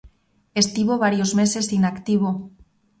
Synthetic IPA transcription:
est̪iβoβ̞aɾjozmese̞sinakt̪iβo

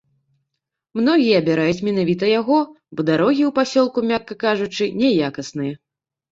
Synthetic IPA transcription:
mn̪ɔɣʲijɐːbʲɛɾajut͡sʲmʲɛnavʲit̪̬ɐjaɣɔ | bɔd̪aɾɔɣʲiwpasʲɔlˠkumʲakːɐkaʐut͡ʂɨnʲɛjakɐsnɨjɐ

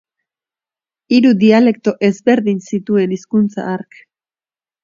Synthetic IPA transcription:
iɾuðiale̞kt̪o̞ʔe̞zβe̞ɾðinsit̪ue̞niskunt͡sa̰aɾk

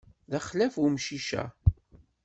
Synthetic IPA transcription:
ðæχlæfumʃiʃæ̰

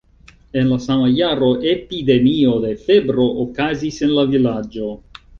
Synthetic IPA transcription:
enlasamajaɾoʔepid̪emiod̪efebɾoʔokazisenlavilad͡ʒo

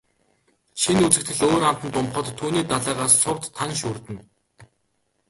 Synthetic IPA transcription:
ʃinut͡sɘ̆k̚t̪ʰɘ̆ɮoːɾam̥t̪ə̆nt̪ʊmχə̆t̪ʰːuːniːt̪aɮæːʁaːsːʊwt̪ʰːanʃuːrt̪ɘ̆n

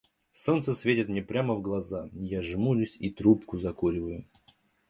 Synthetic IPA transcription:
so̞nt̪səsvʲetʲɪt̪mnʲepɾʲaməvɡlˠɐzajaʐmulʲʊsʲit̪ɾupkʊzɐkuɾʲɪvəjʊ

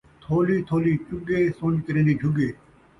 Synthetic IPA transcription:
t̪ʰoːliːt̪ʰoːliːt͡ʃʊɡeːsõːɲkəɾẽːnd̪iːɖʱʊɡeː

